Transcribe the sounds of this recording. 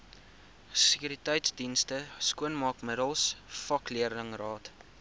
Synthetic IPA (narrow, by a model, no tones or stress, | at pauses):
səkyɾitɛjtsdinstəskuənmɑːkmədəlˠsfɐkliərdəŋrɑːt